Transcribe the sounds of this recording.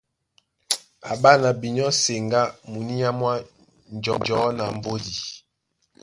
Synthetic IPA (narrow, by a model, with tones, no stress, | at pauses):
a˨ba˦na˨bi˨ɲɔ˦se˨ŋɡa˦mu˨ni˦ja˦mwa˦ | n˨d͡ʒɔ˨d͡ʒɔ˨˦na˨m̩˦bo˦di˨